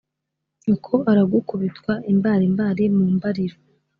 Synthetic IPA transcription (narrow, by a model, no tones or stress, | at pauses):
ɲokʰoʔaɾaɡukuβitwaʔimbaːɾimbaːɾimuːmbaɾiɾo